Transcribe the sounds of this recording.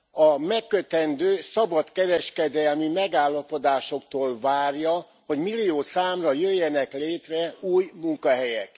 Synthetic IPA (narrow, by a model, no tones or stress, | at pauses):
ɒmɛkːøt̪ɛnd̪øːsɒbɒt̪kɛɾɛʃkɛd̪ɛlmimɛɡaːlːɒpo̞d̪aːʃo̞kt̪oːlvaːrjɒ | ho̞ɟmilːioːsaːmrɒjøjːɛnɛkleːt̪rɛuːjmuŋkɒɦɛjɛk